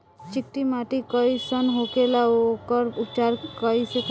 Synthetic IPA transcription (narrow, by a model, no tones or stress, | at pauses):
t͡ʃikʈimaʈikɔisənɦokelaokɔɾupt͡ʃaɾkɔisek